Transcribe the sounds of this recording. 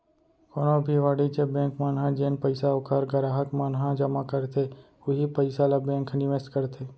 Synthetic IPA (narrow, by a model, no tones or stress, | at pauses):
koːnobʱiʋaːɽit͡ʃebẽːŋkmaːnɦãd͡ʒeːnpəɪsaʊkʰəɾɡəɾaːɦəkmaːnɦãd͡ʒəmakəɾt̪ʰe | ʊɦipəɪsalabẽːŋknɪʋesʈkəɾt̪ʰeː